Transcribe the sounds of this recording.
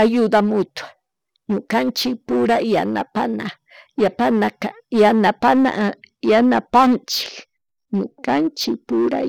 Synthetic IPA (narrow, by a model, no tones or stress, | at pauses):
ajʊd̪amʊt̪wḁ | ɲʊkant͡ʃɪk̚pʊɾaja̰na̰pana | japanakajanapana̰janapant͡ʃɪ̥k | ɲʊkant͡ʃɪk̚pʊɾa̰